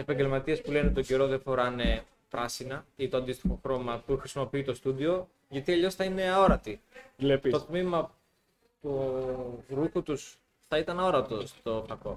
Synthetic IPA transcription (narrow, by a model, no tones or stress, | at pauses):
e̞pɐɲɟelmɐt̪iɐspule̞net̪o̞ɟe̞ɾo̞ðefo̞ɾɐne̞ | pɾɐsinɐit̪oɐnd̪ist̪ixo̞xɾo̞mɐtuxɾisimo̞piit̪o̞st̪uðio̞ | ʝɐt̪iɐʎo̞sθɐine̞ɐo̞ɾɐt̪ileit̪ot̪mimɐ | t̪u | ɾuxut̪us | θɐit̪ɐnɐo̞ɾɐt̪o̞st̪o̞pɐko̞̰